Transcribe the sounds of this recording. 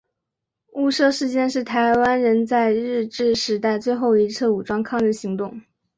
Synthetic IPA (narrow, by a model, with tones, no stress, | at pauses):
u˥˧ʂɤ˥˧ʂɻ̩˥˧t͡ɕjɛ˥˧nʂɻ̩˥˩t̪ʰa˧˥ɪwa˥nɻə˧˥nt͡sa˥˧ɪɻɻ̩˥˧ʈ͡ʂɻ̩˥˩ʂɻ̩˧˥t̪a˥˧ɪt͡swe˥˧ɪxo˥˩ʊi˧˥t͡sʰɤ˥˩u˨˩ʈ͡ʂwɑ˥ŋkʰɑ˥˩˧ŋə˥˩ɕi˧˥ŋt̪ʊ˥˩ŋ